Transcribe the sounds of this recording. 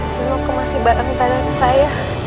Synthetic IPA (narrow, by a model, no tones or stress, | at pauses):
sənɔkəmasibaɾant̪aɾansaja